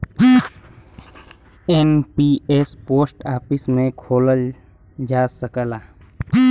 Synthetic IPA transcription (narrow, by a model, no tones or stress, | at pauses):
enpiespoːsʈaːpɪsmẽkʰoːləl | d͡ʒaːsəkəlaː